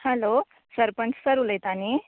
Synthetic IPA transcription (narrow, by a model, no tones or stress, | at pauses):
hɛlo | səɾpəɳssəɾuləjt̪ani